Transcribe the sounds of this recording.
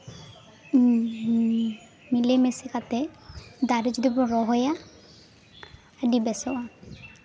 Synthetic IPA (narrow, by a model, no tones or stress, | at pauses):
milemesekat̪ɛd̪aɾid͡ʒd̪ibɔɾɔɦɔja | ɖibɛsɔwa